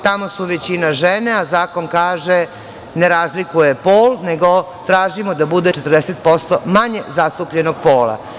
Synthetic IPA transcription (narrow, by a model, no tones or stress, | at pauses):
t̪amosuʋet͡ɕinaʒene̞azaːko̞nkaːʒe | neɾaːzlikujepoːlneɡo̞ | t̪ɾaːʒimod̪abud̪et͡ʂet̪rd̪eset̪̚po̞st̪omaɲezast̪upʎenoɡ̚po̞ːla̰